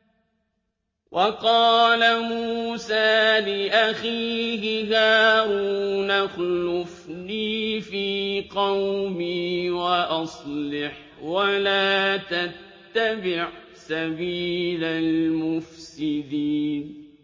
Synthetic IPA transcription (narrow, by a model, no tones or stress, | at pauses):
wʔɑqɑːlamuːsaːlɪʔaxiːhɪhaːɾuːnaxlʊfniːfiːqɑwmiːwaʔɑsˤlɪħ | walaːt̪at̪ːabɪʕ | sabiːlalmʊfsɪd̪iːn